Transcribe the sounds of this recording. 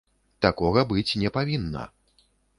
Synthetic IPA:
t̪akɔɣɐbɨt͡sʲnʲɛpavʲinːɐ̰

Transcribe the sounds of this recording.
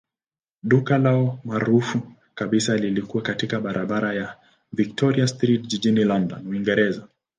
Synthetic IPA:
ɗukalaɔmaɾufu | kaɓisalilikuwakatikaɓaɾʔaɓaɾaja | vik̚tʰɔɾiastɾitʄiʄinilɔndɔ̰nwuiŋɡɛɾɛza

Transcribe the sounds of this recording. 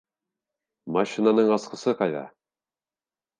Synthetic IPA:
maɕinanɤɴɑsqɤ̆sɤqɑjðɑ̰

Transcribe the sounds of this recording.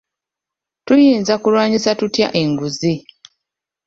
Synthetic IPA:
tujiːnzakulwaːɲisatutja̰ʔe̞ŋɡuzi

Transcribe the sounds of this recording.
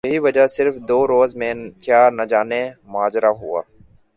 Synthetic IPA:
jɐɦiʋɐd͡ʒasɪɾfd̪oːɾoːzmẽkjaːnɐd͡ʒaːnemʊɦaːd͡ʒɾaɦʊ̰a̰ː

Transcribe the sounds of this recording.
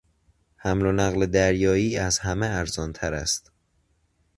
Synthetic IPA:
hæmlonæɣled̪æɾjɒːiːæzhæmeæɾzɒːnt̪ʰæɾæ̰st̪

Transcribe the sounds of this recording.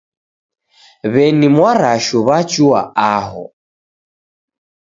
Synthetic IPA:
βɛnimwaɾaʃɔβat͡ʃua̰aɦɔ̰

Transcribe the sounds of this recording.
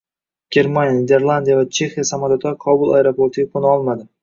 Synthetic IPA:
ɡ̥ʲe̞ɾmanjad̪ʲe̞ɾlˠand̪ijavat͡ʃʰe̞xijasamad̪ot̪ʰaɾqʰɒbʊlˠajeɾopʰoɾt̪ʰɪɡʲakʰonɒlˠmad̪ɪ

